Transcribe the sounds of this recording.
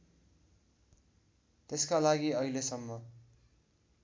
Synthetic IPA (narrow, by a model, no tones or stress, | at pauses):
t̪eskalaɡiʌilesʌmːʌ